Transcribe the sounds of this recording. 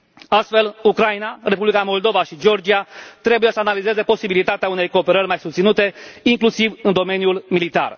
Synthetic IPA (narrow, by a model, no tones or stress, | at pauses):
ast̪fe̞lukɾajnare̞publikamo̞ld̪o̞vaʃid͡ʒeo̞rd͡ʒiat̪ɾe̞buje̞səanalize̞ze̞po̞sibilit̪at̪eaune̞jko̞ːpe̞ɾərʲmajsust̪sinut̪e̞iŋklusivɨnd̪o̞me̞njulmilit̪a̰r